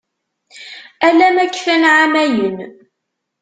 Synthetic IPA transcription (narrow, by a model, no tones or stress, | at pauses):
ælæmækːfænʕamæjən